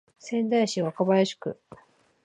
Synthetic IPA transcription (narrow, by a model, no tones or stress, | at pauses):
sẽ̞nd̪aiɕiβakabajaɕi̥kɯ̰